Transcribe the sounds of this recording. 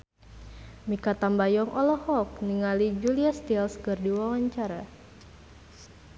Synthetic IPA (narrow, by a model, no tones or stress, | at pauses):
mikat̪ambajɔŋʔɔlɔhɔk̚niŋalid͡ʒuliast̪ilskɨrdiwawaɲt͡ʃaɾa